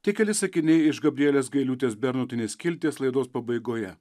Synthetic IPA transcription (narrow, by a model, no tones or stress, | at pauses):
t̪ʲɪkʲɛlʲɪsɐkʲɪnʲɛɪɪʃɡɐbʲɾʲɪɛlʲeːsɡɐɪlʲuːt̪ʲeːsbʲɛɾnʊt̪ʲɪnʲeːskʲɪlʲt̪ʲiɛslˠɐɪd̪oːspɐbɐɪɡoːjɛ